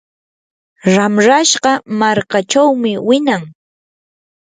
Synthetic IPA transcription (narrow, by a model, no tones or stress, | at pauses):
ɾamɾaʃɢɑmaɾkat͡ʃawmɪwɪnaŋ